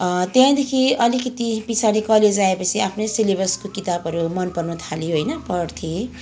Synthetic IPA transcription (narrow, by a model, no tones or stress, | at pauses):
t̪jãd̪ekʰiʌlikʌt̪ipisʰanikʌled͡zaepʌt͡sʰiapʰnʌjsilebʌrskokit̪abʌɾumʌnpʌrnut̪ʰalijoɦʌjnʌpʌrt̪ʰe